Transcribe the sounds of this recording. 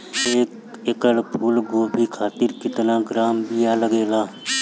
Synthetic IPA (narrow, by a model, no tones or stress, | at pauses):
eːk | ekəɽpʰuːlɡoːbʱiːkʰaːt̪ɪɾkɪt̪nãːɡɾaːmbiːaːləɡeːlaː